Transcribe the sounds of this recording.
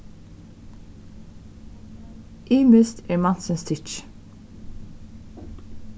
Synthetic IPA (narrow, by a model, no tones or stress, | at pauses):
ʔiːmʉst̪ʰeːɹmɑnsənst̪ʰɪt͡ʃ